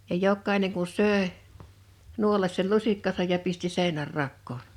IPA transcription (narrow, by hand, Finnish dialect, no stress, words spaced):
jɑ jokːɑe̝neŋ kun søˑe nuolɑs sei lusikːɑsɑj jɑ pisti seˑe̝nærːɑkːoːn